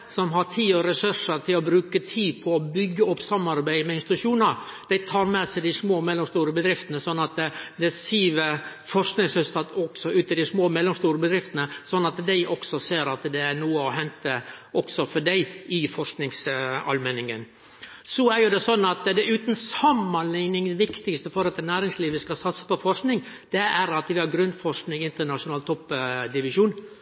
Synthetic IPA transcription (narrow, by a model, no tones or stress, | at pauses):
sɔmɦɑɾt̪ʰiːɔɾɛsʉʂəɾt̪ʰɪlɔbɾʉːkət̪ʰiːpʰɔːbʏɡːəɔpːsɑmːɑɾbæɪmɛɪnst̪t̪ʉʂuːnəɾd̪̥æɪt̪ʰɑːɾmɛsɛɪd̪ɪsmoːmɛlːɔmst̪uːɾəbəd̪ɾɪft̪ənəsɔnːɑt̪d̪ɛsiːʋəɾfɔʂknɪŋshʉst̪ʰɑt̪ɔksɔʔʉːt̪ɪd̪ɪsmoːmɛlːɔmst̪uːɾəbəd̪ɾɪft̪ənəsɔnːɑt̪d̪æɪʔɔksɔseːɾɑt̪d̪ɛænuːəɔɦɛnt̪əʔɔksɔfɔɖæɪɪfɔʂknɪŋsɑ̰lmɛnɪŋən | sɔæɾjʊd̪ɛsɔnːɑt̪d̪ɛʔʉːt̪nsɑmːɑnlɪŋnɪŋd̪ɛʋɪkt̪ɪkst̪əfɔɾɑt̪ːnæːɾɪŋsliːʋəskɑsɑt̪sə̥pɔfɔʂknɪŋd̪̥ɛæɾɑt̪ʋɪhɑɾɡɾʉnfɔʂknɪŋɪnt̪əɳɑʂʊnɑːlt̪ʰɔpːd̪ɪʋɪʂuːn